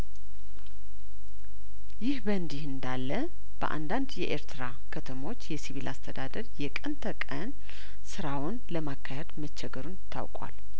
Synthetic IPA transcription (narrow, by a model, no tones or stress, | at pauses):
jɪhbənd̪ɪhɨnd̪alːə | b̥ə̰ʔa̰nd̪and̪jɛʔeɾt̪ʰɾa | kʰət̪ʰəmo̞t͡ʃːjɛsiβilʔast̪ʰəd̪ad̪əɾjɛkʼənt̪ʰəkʼən | sɨɾawʊnləmakʰːajad̪mət͡ʃːɛɡəɾunɪt̪ʰːa̰wkʼwa̰l